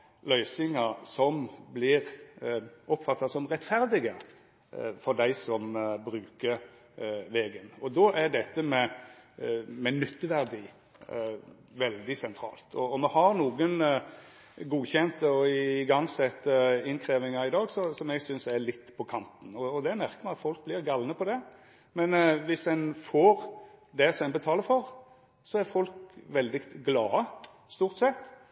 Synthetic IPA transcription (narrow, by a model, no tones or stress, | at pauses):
lœʏsɪŋɑsɔmblɪɾ | ʔɔpfɑt̪ːɑsɔmʁɛt̪fæɾd̪ɪɡə | fɔɾd̪æɪsɔmbɾʉːkəɾ | ʋeːɡənɔd̪ɔʔæɖɛt̪ːəmɛ | mɛnʏt̪ːəʋæʁd̪iː | ʋɛld̪ɪsɛnt̪ʰɾɑ̰ːlt̪ʰɔɔmɛhɑɾnuːɡən | ɡuːçɛnt̪əɔɪɡɑŋsɛt̪əɪnkʰɾeːʋɪŋɑɪd̪ɑːɡsɔsɔmɛɡsʏnsɛɾlɪt̪ːpʰɔkʰɑnt̪n̩ɔːd̪ɛmæʁkəmæɪɑt̪fɔlk̚blɪʁɡɑlnəpʰɔd̪ɛ | mɛnʋɪsɛnfoːɾd̪ɛsɔmɛnbət̪ʰɑːləɾfɔɾ | sɔæɾfɔlkʋɛld̪ɪɡlɑːə | st̪uːʁt̪sɛt̪ː